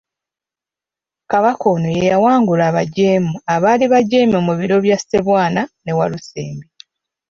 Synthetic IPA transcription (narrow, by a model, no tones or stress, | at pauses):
kaβako̞nojejawaːŋɡulaːβaɟe̞ːmuaβaːliβaɟeːmumuβiɾo̞βjasi̥te̞βwaːnane̞walusḛːmbi